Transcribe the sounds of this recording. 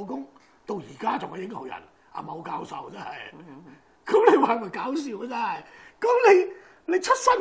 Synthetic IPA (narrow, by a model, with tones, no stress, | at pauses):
wkʊ˥ŋ | t̪o˧wjiː˨˩kaː˥t͡sʊ˨ŋhɐ˨jɪ˥ŋho˨˩wjɐ̰˨˩n | a̰˨mo˨˧wkaː˧˥wsɐ̰˨wt͡sɛ˥nhɐ˨j | kɐ˨˥mle˨˧jwaː˨˧˩mɐ˨jkaː˨˥ws̬iː˨˧wkɐ˧t͡sɛ˥nhɐ˨jkɐ˨˥mle˨˧j | le˨˧jt͡ʃʰɵ˥t̚sɐ˥n